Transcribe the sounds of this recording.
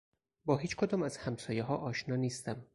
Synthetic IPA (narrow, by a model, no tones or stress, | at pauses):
bɒːɦiːt͡ʃkʰod̪ɒːmæzhæmsɒːjeɦɒːʔɒːʃnɒːniːst̪æm